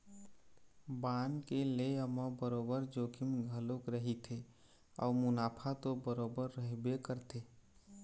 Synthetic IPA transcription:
bankeleəməbəɾobəɾd͡ʒokʰimɡʱəlokɾəɦit̪ʰe | ɔ̰ːmʊnapʰat̪obəɾobəɾːəɦbekəɾt̪ʰe

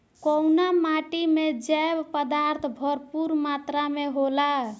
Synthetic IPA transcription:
kɔwnamaʈimed͡ʒɛbpəd̪aɾt̪ʰbʱəɾpuɾmat̪ɾameɦola

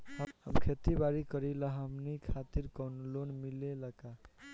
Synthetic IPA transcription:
həmkʰet̪ibaɾikəɾiləɦəmnikʰat̪iɾkənlonmileləka

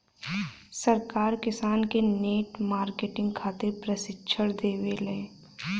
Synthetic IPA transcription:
səɾkaːɾkɪsaːnkeneːʈmaːɾkeːʈɪ̃ŋɡkʰaːt̪ɪɾpɾəsɪtːʃʰəɽd̪eːʋele

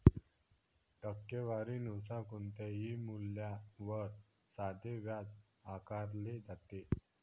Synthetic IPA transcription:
ʈəkːjeʋaɾinuwsãkunt̪eɦimuljaʋəɾ | sad̪ʱeʋjad͡z | akaɾled͡zat̪e

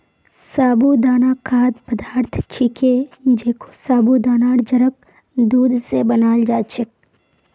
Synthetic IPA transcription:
saːbud̪aːnakʰaːd̪pəd̪ʱaːɾt̪ʰt͡ʃʰiked͡ʒeːkʰo̥saːbud̪aːnaːɽd͡ʒəɾək̚ | d̪uːd̪ʱsebənaːld͡ʒaːt͡ʃʰek̚

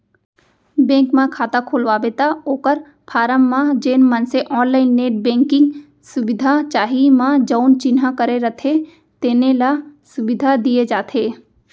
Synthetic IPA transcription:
bẽːŋkmãkʰaːt̪akʰoːlʋabeːt̪aoːkəɾ | pʰaːɾəmːãd͡ʒeːnmə̃nseʔɔːnlaːɪnːeːʈ̚bẽːŋkɪ̃ŋɡ | sʊbɪd̪ʱat͡ʃaːɦimãd͡ʒəʊnt͡ʃɪnɦakəɾeɾət̪ʰe | t̪eːnelasʊbɪd̪ʱad̪ied͡ʒaːt̪ʰeː

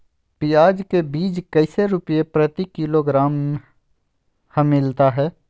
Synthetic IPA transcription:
pɪjaːd͡ʒkebiːd͡ʒkəɪseɾʊpijepɾət̪ikɪloɡɾaːm | həmːɪlt̪aɦɛː

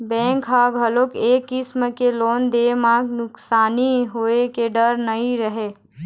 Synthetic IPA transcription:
bɛ̃ːŋkɦaːɡʱɦəloːkeːkːɪsməkeloːnd̪emãɡnʊksaːniɦoekeɖəɾnəĩɾəɦe

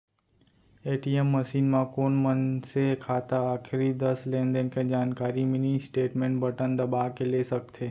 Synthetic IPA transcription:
eːʈiɛmːɐʃiːnmãkoːnmənsekʰaːt̪aaːkʰɪɾid̪ɐslẽːnɖẽnked͡ʒaːnkaːɾimɪnisʈeːʈmẽːɳʈbɐʈənd̪ɐbaːkeleːsɐk̚t̪ʰeː

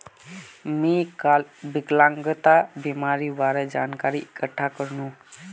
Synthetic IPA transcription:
mikbiklaŋɡət̪abimaɾibaɾəd͡ʒa̰ːnkaɾiʔɪkəʈʰːakəɾnũ

